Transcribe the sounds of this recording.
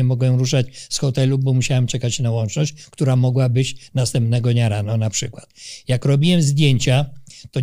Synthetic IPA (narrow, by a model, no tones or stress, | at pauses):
ɛmɔɡwɛɾuʂat͡ɕsxɔt̪ɛlubɔmuɕawɛmt͡ʂɛkat͡ɕnawɔnt͡ʂnɔɕt͡ɕkt̪uɾamɔɡwabɘt͡ɕnast̪ɛmp̚nɛɡɔɲaɾanɔnapʂɘkwat̪jakɾɔbʲiwɛmzd̪ʲjeɲt͡ɕat̪ɔ